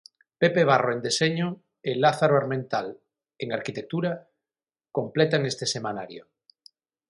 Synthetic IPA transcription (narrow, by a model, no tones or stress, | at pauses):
pepeβ̞aroend̪eseɲo | elaθaɾoaɾmẽnt̪al | eŋaɾkit̪ek̚t̪uɾa | komplet̪aŋest̪esemanaɾjo